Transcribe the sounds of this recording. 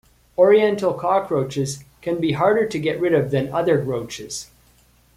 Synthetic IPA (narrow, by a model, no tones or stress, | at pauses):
ɔɹiɛ̃ntl̩ˠkʰɑkʰɹoʊt͡ʃɪz̥kʰɨ̃nbiɦɑɹɾə˞ɾɨɡɛʔ̚ɹɪɾʌvðɨ̃nʌðə˞ɹoʊt͡ʃɪz̥